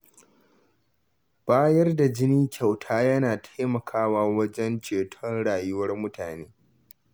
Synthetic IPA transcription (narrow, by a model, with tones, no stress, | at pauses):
b̥aː˦jɐ˦rda˨d͡ʒɪ˦niː˦kʲʰa˨wtʰaː˦jɐ˦naː˨tʰḁ˦jmɐ˨kʰaː˦waː˦wɐ˦d͡ʒɛ˦nt͡ʃeː˨tʰɔ˦nɽaː˨jʊ˦wɐ˦rmʊ˦tʰaː˨neː˦